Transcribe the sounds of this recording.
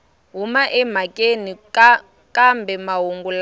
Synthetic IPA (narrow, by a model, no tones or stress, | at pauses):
ɦumaʔɛm̤akʼenik | kʼambɛmaɦuŋɡul